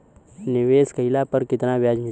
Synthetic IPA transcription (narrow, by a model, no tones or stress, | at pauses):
nɪʋeːskəɪlapɐɾkɪt̪nabjaːd͡ʒi